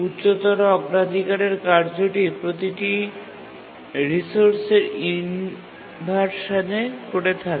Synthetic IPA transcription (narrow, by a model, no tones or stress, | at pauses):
utːɕot̪ɔɾɔɡɾad̪ʱikaɾeɾkaɾd͡ʑoʈipɾot̪iʈi | ɾisoɾseɾin | bʱaɾʃad͡ʑekoɽet̪ʰak